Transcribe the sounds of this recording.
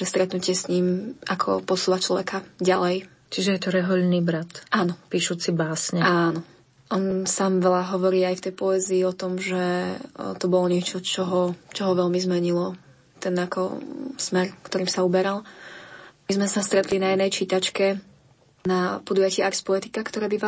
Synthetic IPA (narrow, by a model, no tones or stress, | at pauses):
ʒɛst̪ɾɛt̪nucɪɛsɲiːmakʰɔ̰pɔsuːʋat͡ʃlɔʋɛkʰaɟalɛj | t͡ʃiʒɛjɛt̪ɔɾɛɦɔʎniːbɾat̪ʔaːnɔpiːʃuːt͡sibaːsɲɛaːnɔ | ʔɔnsaːmʋɛʎaɦɔʋɔɾiːajft̪ɛjpɔɛziːɔt̪ɔmʒɛt̪ɔbɔlɔɲɪɛt͡ʃɔt͡ʃɔɦɔt͡ʃɔɦɔʋɛʎmizmɛɲilɔ | t̪ɛnakʰɔ̰smɛɾkt̪ɔɾiːmsaubɛɾalˠ | mizmɛsast̪ɾɛt̪linajɛd̪nɛjt͡ʃit̪at͡ʃkɛ | napɔd̪ujacɪɛaɾspɔɛt̪ikakt̪ɔɾɛːbiʋa